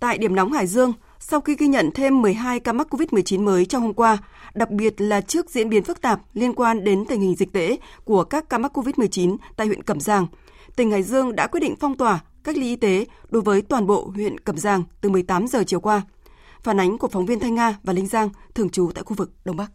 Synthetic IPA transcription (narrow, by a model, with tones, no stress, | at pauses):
t̪a̰ː˧˨jɗi˧˩əmnɔ˨˦wŋ͡mhaː˧˩jzɨ˧əŋ | sa˧wxi˧ɣi˧ɲə̰˧˨nt̪ʰe˧mːɨ˨˩əjɦaː˧jkaː˧ma˦˥ko˧vi˦˥t̚m˨˩ət͡ɕi˨˦nməː˨˦jt͡ɕɔ˧wŋ͡mho˧mkwaː˧ | ɗa˨˩k̚ɓi˨˩ət̚laː˨˩t͡ɕɨ˦˥ək̚zḭ˧˥ənɓi˨˦ənfɨ˦˥k̚t̪aː˨˩p̚li˧ənkwaː˧nɗe˨˦nt̪ï˨˩ŋ̟hï˨˩ŋ̟zi˨˩k̚t̪ḛ˧˥ku˧˩əkaː˦˥kːaː˧ma˦˥t̚kːo˧vi˦˥t̚m˨˩əjt͡ɕi˨˦nt̪a̰ː˧˨hwḭ˧˨nkə˧˩mzaː˨˩ŋ | t̪ï˨˩ŋ̟haː˧˩jzɨ˧əŋɗa̰ː˧˥kwi˦˥t̚ɗḭ˧˨ŋ̟fɔ˧wŋ͡mt̪waː˨˩ | ka˦˥k̚lḭ˧ʔi˧t̪e˨˦ɗo˨˦jvəː˨˦jt̪waː˨˩nɓo̰˧˨hwḭ˧˨ənkə˨˩mzaː˨˩ŋt̪ɨ˨˩mɨ˨˩əjt̪aː˨˦mzəː˨˩t͡ɕi˨˩əwkwaː˧ | faː˧˩nʔa˨˦jŋ̟ku˧˩əkfɔ˨˦wŋ͡mvi˧ənt̪ʰa˧jŋaː˧vaː˨˩lï˧ŋ̟zaː˧ŋt̪ʰɨ˨˩əŋt͡ɕu˨˦t̪a̰ː˧˨xu˧vɨ˨˩k̚ɗə˧wŋ͡mɓa˦˥k̚